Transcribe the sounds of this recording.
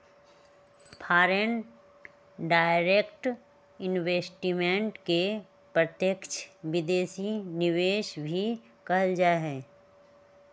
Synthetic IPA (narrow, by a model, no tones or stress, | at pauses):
pʰaːɾen | ɖaːɪɾeːkʈ | ɪnʋeːsʈimẽɳʈke | pɾət̪jəkt͡ʃʰʋɪd̪eːʃinɪʋeːʃbʱi | kɐɦəld͡ʒaːɦɛː